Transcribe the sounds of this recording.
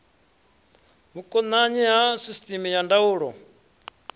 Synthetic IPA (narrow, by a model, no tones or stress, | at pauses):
mukʼɔnaɲɛɦasistʼimijandauːɺɔ